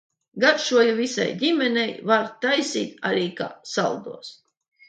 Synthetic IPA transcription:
ɡaɾʃuɔjuvʲisa̰jdʲimʲɛnʲɛjvaɾt̪ajsiːt̪a̰ɾiːka̰ːsa̰lˠd̪ṵɔs

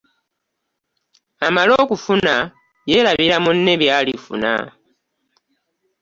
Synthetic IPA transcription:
amalo̞ːkufuna | jelaβilamunːe̞βjalifṵna̰

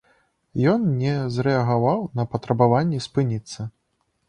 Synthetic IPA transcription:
jɔnnʲɛzɾɛɐɣavawnɐpɐt̪ɾɐbavanʲːɛspɨnʲit̪sːɐ

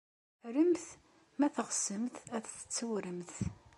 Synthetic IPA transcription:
ɾəmθ | mæθəʁsəmθæθθə̥t͡sːəwɾəmθ

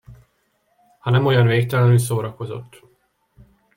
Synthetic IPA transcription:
hɒnɛmo̞jɒnveːk̚t̪ɛlɛnyls̬oːɾɒko̞zo̞̰t̪ː

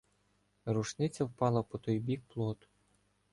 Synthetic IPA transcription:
ɾuʃnɪt͡sʲːɐwpɑlˠɐpɔt̪ɔjbʲik̚plˠɔt̪ʊ̥

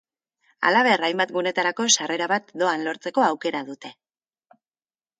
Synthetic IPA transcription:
a̰laβ̞e̞rajmbat̪ɡune̞t̪aɾako̞sare̞ɾaβat̪d̪o̞anlo̞ɾt͡se̞ko̞awke̞ɾaðut̪e̞

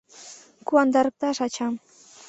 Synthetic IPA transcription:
kuand̪ɑɾk̚t̪aʃat͡ʃam

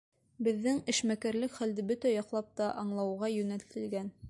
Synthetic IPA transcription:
bɘ̆ðːɘŋɘ̆ʃmækæɾlɘkχæld̪ɘbɵt̪æjɑqlˠɑp̚t̪ɑʔɑɴlˠɑwʁɑjɵ̆næt̪ɘ̆lɡæn

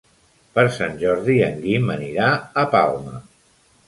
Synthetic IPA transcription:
pəɾsanʲʒɔɾðiəŋɡiməniɾaəpa̰lˠmə̰

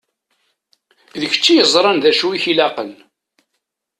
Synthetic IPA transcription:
ðəçə̥t͡ʃːijəzˤɾˤɑnðæʃuiçilɑqən

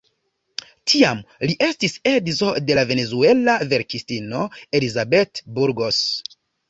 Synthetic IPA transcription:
tʰiamliʔe̞stise̞dzo̞de̞lave̞ne̞zue̞lave̞ɾkistino̞e̞lizabe̞tbuɾɡo̞s

